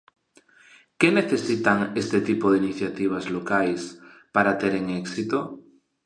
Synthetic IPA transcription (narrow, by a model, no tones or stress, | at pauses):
keneθesit̪aŋest̪et̪ipoðeiniθjat̪iβ̞azlokajs | paɾat̪eɾeŋɛksit̪o